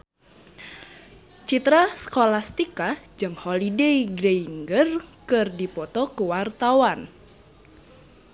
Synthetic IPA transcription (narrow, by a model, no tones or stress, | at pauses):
t͡ʃit̪ɾasə̥kolast̪ikad͡ʒɨŋhɔlideiɡɾeiŋɡərkɨrdipɔt̪ɔkuwart̪awan